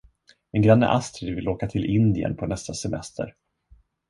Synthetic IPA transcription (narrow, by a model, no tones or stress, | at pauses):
ɛnɡɾanːə̰ʔast̪ɾɪɾvɪloːkat̪ʰɪlʔɪnd̪ɪə̰npʰɔnɛst̪asɛmɛ̰st̪ʰə̰ɾ